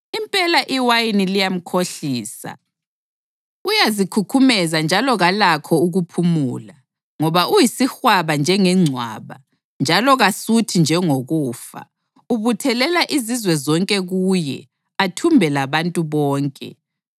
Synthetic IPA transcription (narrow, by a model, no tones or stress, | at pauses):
impʼɛlaʔiwajinilijam̩kʰoɬiːsa̰ | ujazikʰukʰumɛzand͡ʒʱalɔɣalakʰɔuɣupʰumuːla | ŋɔβaʔujisixwaβand͡ʒʱɛŋɛŋ͡ǀʱwa̰ːβa | nd͡ʒʱalɔɣasutʰind͡ʒʱɛŋoɣuːfa̰ | uβutʰɛlɛlaʔizizwɛzɔŋkʼɛɣuːjɛ̰ | atʰumbʱɛlaβantʼuβɔːŋkʼɛ̰